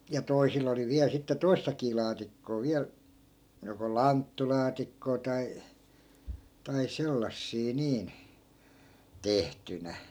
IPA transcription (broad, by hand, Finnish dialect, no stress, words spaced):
jɑ toisil oli ʋiæl sitːe toistɑkiː lɑːtikːoː ʋiæl joko lɑntːulɑːtikːoː tɑi tɑi selːɑsːiː niːn tehtynæ